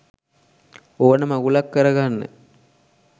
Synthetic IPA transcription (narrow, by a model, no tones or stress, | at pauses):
oʋənəmaɡulakːəɾəɡanːə̰